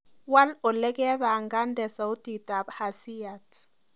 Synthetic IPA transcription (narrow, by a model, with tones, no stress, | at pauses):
wa˦lɔ˨lɛ˦kɛ˦βa˨ŋɡa˦ndɛ˨sa˨u˦ti˨ta˨bha˨si˦ja˨t